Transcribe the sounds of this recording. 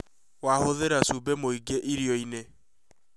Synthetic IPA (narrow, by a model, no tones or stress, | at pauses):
wahoðeɾasubemoiɡeʔiɾiɔine